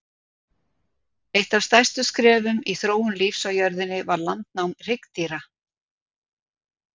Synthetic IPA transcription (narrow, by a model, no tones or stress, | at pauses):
ejht̪av̥fst̪ajst̪ʏskɾɛːvʏmiθɾoːwʏmliːfsawjœɾðɪnːɪvaɾlant̪nawmr̥ɪkt̪iɾa